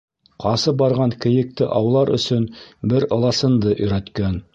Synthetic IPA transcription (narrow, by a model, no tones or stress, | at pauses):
qʰɑsɤbɑɾʁɑŋkɘ̆jɘ̆k̚t̪ɘʔɑwlˠɑɾʔɵ̰̆sɵnbɘɾɤ̆lˠɑsɤ̆nd̪ɤʔɵ̆jɾæt̪kæn